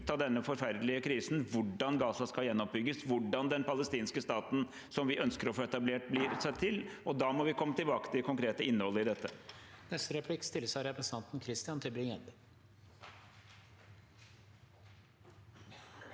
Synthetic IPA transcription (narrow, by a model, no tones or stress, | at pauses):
t̪ɑd̪ɛnːəfɔɾfæɾd̪lɪəkʰɾiːsn̩ʋʊɖɑnɡɑːsɑskɑljɛnːɔp̚bʏɡːəsʋʊɖɑnd̪ɛnpɑləst̪iːnskəst̪ɑːt̪n̩ | sɔmʋɪʔœnskəɾɔfoːɛt̪ɑbleːʈ̚blɪɾsɛt̪ʰːɪlʔɔd̪ɑːmɔʋɪkʰɔmːət̪ɪlbɑːkə̥t̪ʰɪlkʰʊŋkɾeːt̪əʔɪnːəhɔlːəɪd̪ɛt̪ːənɛst̪əɾɛpʰlɪkst̪ɪlːəsæɪɾɛpɾəsɑnt̪n̩kʰɾɪst̪ɪɑnt̪ʰɪlbɾɪŋɛnd̪ə